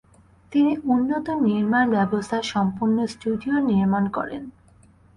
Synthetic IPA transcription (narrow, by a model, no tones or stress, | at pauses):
t̪iniunːot̪oniɾmanbɛbost̪ʰaʃɔmpuɾnosʈuɖioniɾmankɔ̰ɾḛn